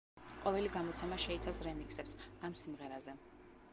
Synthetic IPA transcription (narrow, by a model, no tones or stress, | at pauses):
qʼɔvɛliɡamɔt̪sʰɛmaʃɛit̪sʰafsɾɛmikʼsɛpsamsimʁɛɾazɛ